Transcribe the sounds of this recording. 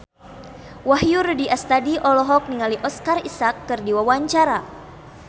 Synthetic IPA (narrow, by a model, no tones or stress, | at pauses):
waɦjurdiʔast̪adiʔɔlɔɦɔk̚niŋaliʔɔskarisakːɨrdiwawaɲt͡ʃaɾa